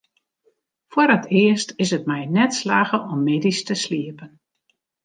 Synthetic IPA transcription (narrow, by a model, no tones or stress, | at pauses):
fwoɾətʰɪəstɪsət̚mɛjnɛtslaːɣəʔɔmːeːdistəsliəpən